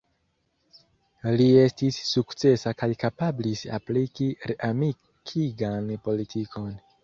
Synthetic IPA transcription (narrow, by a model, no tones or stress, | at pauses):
lie̞stisːukt͡se̞sakajkapablisa̰plikiɾeʔami | kʰiɡanpo̞litʰikʰo̞n